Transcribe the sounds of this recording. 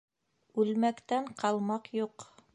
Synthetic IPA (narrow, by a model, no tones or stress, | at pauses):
ʉlmækt̪æɴqɑlˠmɑqjuq